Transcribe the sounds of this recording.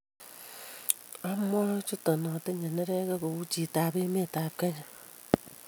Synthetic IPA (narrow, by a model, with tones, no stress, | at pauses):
a˦mʷ˦a˦t͡ʃu˦to˨nɔ˨te˦ɲe˨ne˦ɾe˦ke˦ko˨wu˦t͡ʃi˨taː˨be˦me˦˨ta˨p̚ke˦ɲa˨